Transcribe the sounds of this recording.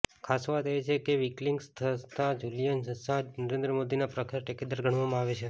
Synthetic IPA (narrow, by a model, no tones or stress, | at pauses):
kʰasʋat̪et͡ʃʰekeʋikliŋɡst̪ʰəst̪ãd͡ʒulijənsəsãnəɾẽnd̪ɾəmod̪inapɾəkʰɾaʈeked̪əɾɡʱəɽʋamãaʋet͡ʃʰe